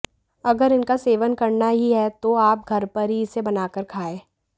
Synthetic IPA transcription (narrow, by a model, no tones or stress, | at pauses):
ɐɡəɾɪnkaseːʋənkɐɾnaɦiɦɛt̪oaːp̚ɡʱɐɾpɐɾɦiɪsebɐnaːkəɾkʰaːẽː